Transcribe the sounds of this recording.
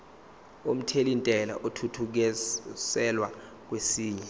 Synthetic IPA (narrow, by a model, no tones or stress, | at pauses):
om̩tʰelintʼɛla̰ʔotʰutʰuk̬ɛsɛlwa | k̬wesiːɲɛ